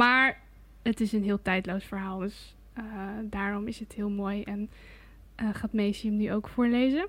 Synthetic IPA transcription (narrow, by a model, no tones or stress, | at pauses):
maːɹ | ətɪsənɦɪːlˠtɛjdlowsfəɹɦaːlˠdɵs | ədaːɹɔmɪsətɦɪːlˠmoːjɛn | ʔəχaːtmejsiəmnyʔowkfʊːɹlejzə